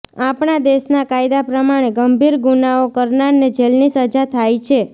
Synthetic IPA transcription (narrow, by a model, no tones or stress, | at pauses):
apɳad̪eʃnakajd̪apɾəmaɽ̃eɡəmbʱiɾɡunaokəɾnaɾned͡ʒelnisəd͡ʒat̪ʰajt͡ʃʰe